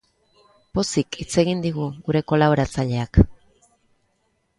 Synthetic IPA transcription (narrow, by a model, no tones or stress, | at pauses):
po̞sikit͡se̞ɣind̪iɣuɣuɾe̞ko̞laβoɾat͡saʎe̞ak